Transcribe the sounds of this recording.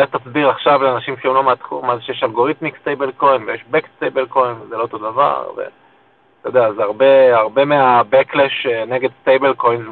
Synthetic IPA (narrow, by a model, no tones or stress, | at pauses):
et̪asbiʁaχʃavleanaʃimʃeumlo̞meat̪χṵmazeʃejeʃalɡo̞ʁit̪mikst̪ejbelko̞jnvejeʃbekst̪ejbelko̞jnvezeloot̪o̞dava̰ʁvḛ | t̪ajod̪eazeaʁbe̞aʁbe̞meabekleʃene̞ɡe̞d̪st̪ejbelko̞jnz